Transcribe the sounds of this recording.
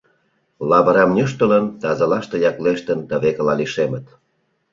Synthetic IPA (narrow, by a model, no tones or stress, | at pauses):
lɑβəɾɑmnʲəʃ̬t̪ələnt̪ɑzɑlɑʃt̪ɤ̆jɑkleʃt̪ənd̪ɑβekəlɑliʃemə̆t̪